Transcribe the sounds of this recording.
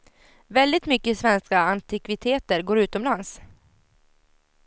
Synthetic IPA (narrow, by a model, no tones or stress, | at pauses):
vɛld̪ɪt̪mʏkːəsvɛnskaant̪ɪkvɪt̪ʰeːt̪əɾɡoːɾʉ̟ːt̪ɔmlans